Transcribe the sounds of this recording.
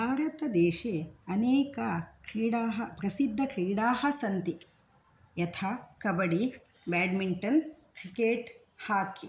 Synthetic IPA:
bʱaːɾɐt̪ɐd̪eːʃeɐneːkɐkɾiːɽaːɦɐpɾɐsid̪ʱːɐkɾiːɽaːhɐsɐnt̪i | jɐt̪ʰaːkɐbɐɽi | baːɖmiɳʈɐnkɾikeːʈ | haːki

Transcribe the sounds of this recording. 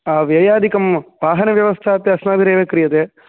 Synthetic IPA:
aːʋjɐjaːd̪ʱikɐmʋaːɦɐnɐʋjɐʋɐst̪ʰaːt̪ːɐɐsnaːd̪iɾeːʋɐkɾijɐt̪eː

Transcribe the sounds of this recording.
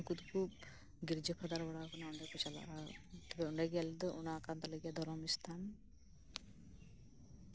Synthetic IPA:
kut̪kʰub̚ | ɡiɾd͡ʒɔpʰad̪aɾbɔɽakɔnauɳɖɛkɔt͡ʃala̰ʔat̪ɔbɛuɳɖɛɡɛjald̪ɔʔunakant̪aləɡijad̪ʱɔɾɔmist̪ʰan

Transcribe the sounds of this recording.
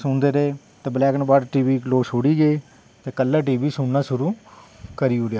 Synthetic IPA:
sʊnd̪eːɾeː | t̪eːbəlɛːknːbaːɾʈiːʋiːkloːsoːɽiːɡeeː | t̪eːkəlːaːʈ̬iːʋiːsʊɳnaːsʊɾuːkəɾiːoːɾejaː

